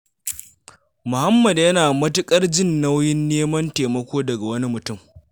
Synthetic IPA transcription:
mʊ˨hɐ˦mːɐ˨djɐ˦naː˨mɐ˦tʊ˦kʼɐ˦rd͡ʒɪ˦˨nːɐ˦wjɪ˦nːeː˦mɐ˦nteː˨mɐ˦kʷoː˦dɐ˨ɡa˨wɐ˦ni˦mʊ˨tʊ˦˨m

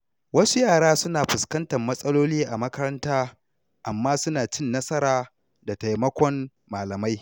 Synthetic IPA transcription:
wɐ˦su˦jaː˦˨ɽaː˦sʊ˦naː˨ɸʊ˨skɐ˦ntɐ˨mːɐ˦sʼɐ˦loː˦liː˦ʔa˨mɐ˦kɐ˦ɾɐ˦ntaː˦ | ʔa˨mːaː˦sʊ˦naː˨t͡ʃɪ˦˨nːɐ˦sɐ˦ɾaː˦˨ | da˨ta˨jmɐ˦kʷɔ˦n | maː˨lɐ˨ma˦j

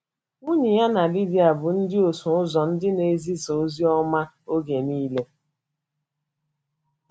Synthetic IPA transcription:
ʊ˦ɲi˨ja˦na˨li˦di˦a˨bʊ˨n̩˦dɪ˦o˨sʊ˨ʊ˦zɔ˨n̩˦dɪ˦ne˨˦zi˦so˨˦zi˦ɔ˦ma˦ | o˦ɡe˨niː˦le˦

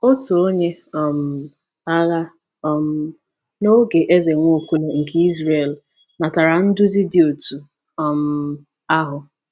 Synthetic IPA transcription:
o˦tu˨o˦ɲe˦ɔ˨m̩˨ | a˦ɣa˦˨ | m̩˦ | no˦ɡe˨ʔe˦ze˨ŋʷo˦˨kʷu˦le˨ŋ̩˨ɡi˦i˦zɾe˦˨l | na˨ta˨ɾa˨n̩˦dʊ˦zi˦di˦o˨tu˨ | ɔ˨m̩˨ | a˦ɦʊ˨

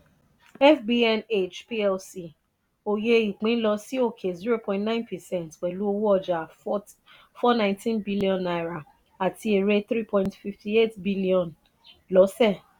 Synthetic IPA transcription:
ɛ˦fbi˦ɛ˦ne˦˨d͡ʒpi˦ɛ˧lsi˨ | o˨je˧i˨k͡pĩ˨˦n̩˦lɔ˧si˦o˦˨kʰe˨zi˦ɾo˦˨pɔ̃˦˨ntnã˦ɪ̃˦npɛ˨sɛ̃˦ntk͡pɛ˨lu˦o˧wu˦ɔ˧d͡ʒa˨ | fɔ˦nã˦ɪ̃ntĩ˦nbi˦li˦ɔ̃˨na˨ɾa˨ | a˨tʰi˧e˨ɾe˦t̪ɾi˦pɔ̃˦ĩntfi˧fti˦e˦tbi˦li˦ɔ̃˨n | lɔ˨˦sɛ˦˨

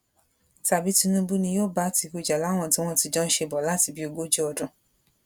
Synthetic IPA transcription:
ta˨bi˦tĩ˧nũ˦bu˦nĩ˧joː˦˨ba˦ti˧˦ku˦˨d͡ʒa˨la˨˦w̃ɔ̃˦˨ti˦w̃ɔ̃˦˨ti˧d͡ʒɔ̃˦n̩˦ʃe˧bɔ˨la˦ti˧bi˦o˧ɡo˦d͡ʒu˦ɔ˧dʊ̃˧˦

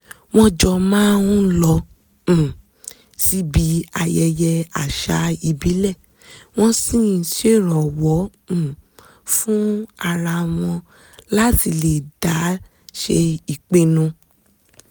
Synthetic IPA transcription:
w̃ɔ̃˧d͡ʒɔ˧mãː˦wũ˦lɔ̃˧˨ | si˦bi˨˦a˧jɛ˧jɛ˧a˨ʃa˨˦i˧bi˨˦lɛ˦˨ | w̃ɔ̃˦sĩ˦˨se˦˨ɾɔ˨wɔ̃˨˦˨ | fũ˦a˧ɾa˧w̃ɔ̃˧ | la˦ti˧le˨d̥a˨˦ | ʃe˧i˨k͡pe˦˨nũ˧

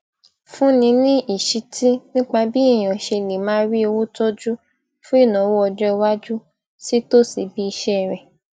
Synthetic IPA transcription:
fũ˦nĩ˧nĩ˦ʔi˨ʃi˨˧ti˦nĩ˦k͡pa˧bi˦i˦˨j̃ã˨ʃe˧˨lĩ˨mãː˨˦ɾi˦e˧wu˦to˦d͡ʒu˦ | fũ˦i˦˨nã˨˦wo˦ɔ˧d͡ʒɔ˦˧wa˦d͡ʒu˦ | si˦to˦si˨bi˦i˧ʃɛ˦˨ɾɛ˨

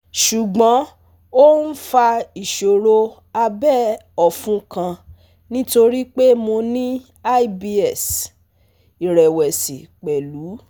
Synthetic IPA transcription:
ʃu˨ɡ͡bã˨˦ | o˦n̩˦fa˧i˨ʃo˨ɾo˧ | a˧bɛ˦ɔ˨fũ˦kã˧ | nĩ˦to˧ɾi˦k͡pe˦mo˧nĩ˦ | a˦i˦˨bi˧ɛ˨s | i˨ɾɛ˨wɛ˨si˨k͡pɛ˨lu˨˦

